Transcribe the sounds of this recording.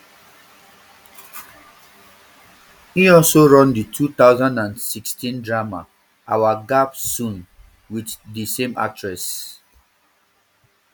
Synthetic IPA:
hiɔlsoɹɔ̃nditʰut̪aʊzãndãnsikstĩndɹama̰ | awaɡapsũn | witdisẽma̰tʰɹɛs

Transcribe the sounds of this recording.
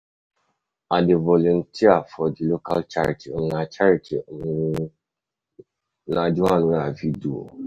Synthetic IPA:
adɪvɔluntʰiafɔdiloka̰lt͡ʃaɾitʰiŋ̩nãt͡ʃaɾitʰḭ | nãdiwãnũaviduo̰

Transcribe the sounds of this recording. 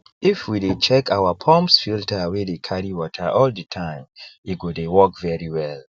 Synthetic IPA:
ifwidet͡ʃɛkʰaʊwapʰɔ̃mpsfiltawedekʰaɹiwɔtʰəʔɔldətʰãɪ̃miɡudewɔkvɛɹiwɛl

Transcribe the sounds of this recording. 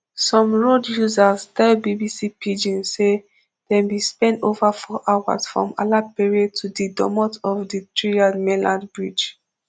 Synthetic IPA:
sɔ̃mɹodjuzastɛlbibisipid͡ʒĩnse | d̥ɛ̃mbispɛ̃ntovafɔʔawa̰sfɹɔ̰̃ma̰lapiɹiɔd̚tʰudidɔ̰mɔtɔvditʰɹiadmɛlãnbɹid͡ʒ

